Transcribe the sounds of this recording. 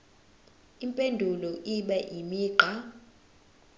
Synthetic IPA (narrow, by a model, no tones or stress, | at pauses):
impʼendʱulɔʔiɓɛʔimiːɡ͡ǃʱa